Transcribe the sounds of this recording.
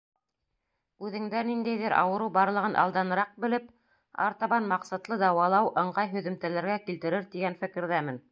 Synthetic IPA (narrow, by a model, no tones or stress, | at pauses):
ʉðɘ̆ŋd̪ænind̪æjðɘɾʔɑ̰wɤ̆ɾɤwbɑɾlˠɤ̆ʁɤnʔɑ̰lˠd̪ɑnɤ̆ɾɑq̚bɘ̆lɘp | ɑ̰ɾt̪ɑβɑnmɑqsɑt̪lˠɤd̪ɑwɑlˠɑwʔɤ̆ɴɢɑjɦɵ̆ðɵ̆mt̪ælæɾɡækilt̪ɘ̆ɾɘɾt̪iɡænfɘ̆kɘ̆ɾðæmɘn